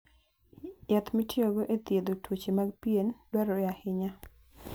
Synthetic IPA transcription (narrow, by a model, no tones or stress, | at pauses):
jat̪mitjoɡoʔet̪jed̪otwot͡ʃemaɡ̚piendwaɾojahɪɲa